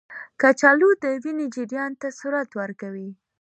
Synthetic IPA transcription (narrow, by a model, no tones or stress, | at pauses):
kat͡ʃɑlud̪əwined͡ʒiɾjɑnt̪asuɾat̪wəɾkawi